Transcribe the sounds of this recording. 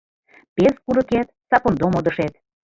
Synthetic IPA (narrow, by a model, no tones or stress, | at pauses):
peskuɾɤket̪̚sɑpond̪omod̪ə̆ʃet̪̚